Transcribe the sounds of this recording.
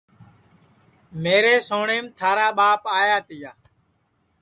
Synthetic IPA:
meːɾeːsoːɳeːmt̪ʰaːɾaːɓaːpaːjaːt̪ɪjaː

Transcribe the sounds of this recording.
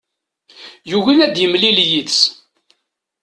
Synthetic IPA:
juwinæd̪jəmliljiðs

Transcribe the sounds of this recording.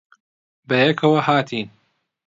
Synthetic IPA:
bɐjɛkʰɐwɐhaːt̪ʰiːn

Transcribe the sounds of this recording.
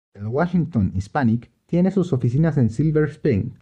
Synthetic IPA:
elwaʃiŋt̪õnispanik | t̪je̞nesuso̞fis̬inase̞nsilβeɾspen

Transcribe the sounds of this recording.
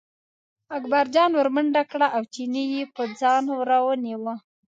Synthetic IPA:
akbaɾd͡ʒɑnwəɾməɳɖakɽaʔawt͡ʃinijepəd͡zɑnwɾawəniwə

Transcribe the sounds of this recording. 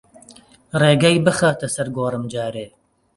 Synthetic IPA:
reːɡɐjbɨxaːt̪ʰɐsɐɾɡoːrɨmd͡ʒaːɾeː

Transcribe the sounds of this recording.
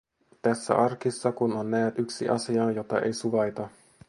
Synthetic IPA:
t̪æsːæ̰ʔɑrkisːɑkunonːæːt̪yksiʔɑ̰siɑjo̞t̪ɑ̰ḛjsuʋɑjt̪ɑ

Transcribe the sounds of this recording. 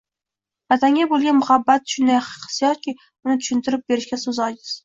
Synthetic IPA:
vat̪ʰaŋʲabolˠɡʲanmʊhabːat̪ʃʊnd̪ajqʰɨ̥sijɒt̪̚kʲʰɪ | ʊnɪt̪ʰʊ̥ʃʊnt̪ʰɪɾɪp̚beɾɪʃkʲasozɒjɡɪz̥

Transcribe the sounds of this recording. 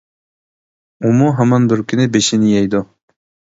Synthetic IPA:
umuɦamɑnbɪɾkʲʰynɪbeʃinɪjɛjd̪u

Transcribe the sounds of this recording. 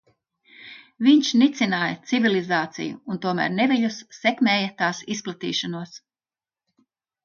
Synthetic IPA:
viɲʃnit̪sinaːjɐt̪sivilˠizaːt̪sḭjṵːnt̪uɔmæ̰ːɾneviʎusːɛkmɛːjɐt̪aːsisplˠat̪ḭːʃanuɔs

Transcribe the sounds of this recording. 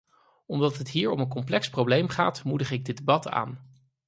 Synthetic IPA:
ɔmdɑtɦətɦiːɹɔmənk̬ɔmplɛksprowblejmχa̰ːtmudəχɪɡ̚dədebɑta̰ːn

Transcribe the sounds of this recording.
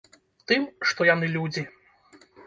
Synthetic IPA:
t̪ɨmʂt̪ɔjan̪ɨlʲud͡zʲi

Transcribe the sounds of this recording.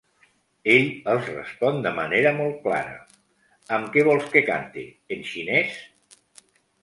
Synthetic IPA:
eʎəlˠzrə̰spɔnd̪əməneɾəmɔlˠt̪̚kla̰ɾə̰ | əmkɛβ̞ɔlˠskəka̰nt̪ḭ | enʃinɛs

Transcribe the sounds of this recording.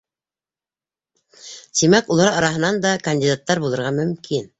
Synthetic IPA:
t̪imækulˠɑɾɑɾɑɦɤ̆nɑnd̪ɑkɐnʲdʲid̪at̪ːɑɾbulˠɤ̆ɾʁɑmɵ̆mkʰin

